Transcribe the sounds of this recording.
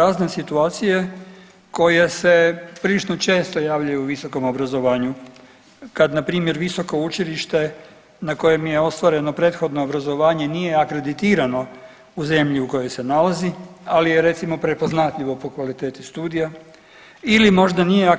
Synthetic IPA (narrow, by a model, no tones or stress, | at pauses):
aznesit̪uaːt̪sije | ko̞je̞se̞pɾilit͡ʃno̞t͡ʃe̞ːst̪o̞jaːʋʎajuuʋiso̞ko̞mo̞bɾazo̞ʋaːɲu | kad̪napɾiːmje̞ɾʋiso̞ko̞ut͡ʃiliʃt̪e̞ | nako̞je̞mje̞o̞st̪ʋaɾe̞no̞pɾe̞t̪xo̞d̪no̞obɾazo̞ʋaːɲe̞nije̞akɾe̞d̪it̪iːɾano̞ | uze̞mʎiuko̞jo̞jse̞nalazialijeɾe̞t̪simo̞pɾe̞po̞znat̪ʎiʋo̞po̞kʋalit̪e̞ːt̪ist̪uːd̪ija | ilimo̞ʒd̪anije̞a